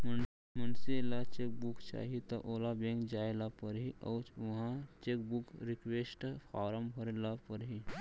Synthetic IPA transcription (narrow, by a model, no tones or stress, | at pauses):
m | mɐnsilat͡ʃek̚bukt͡ʃa̰ːɦit̪ɐʔoːlabẽŋkd͡ʒaːelapəɾɦiʔɐ̰wt͡ʃuɦãt͡ʃekbukɾɪkʋeːsʈfʰaːɾəmbʱəɾelapəɾɦi